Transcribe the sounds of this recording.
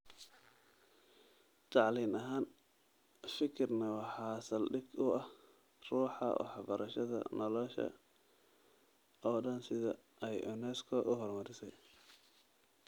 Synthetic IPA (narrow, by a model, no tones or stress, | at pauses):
t̪ʰɑʕliːnɐɦaːn | fɪkʰɪrnɐwɑħɑːsɐlɖɪɡʊɐh | ruːħɑʔɔ̰ħɑbɐɾʔɐʃɐðɐ̰nɔlɔʃɐ̰ | ʔɔːɖɐnsɪðɐ̰ | ʔɛjʔɔnɛskʰɔʔʊɦɔrmɐɾɪsɛj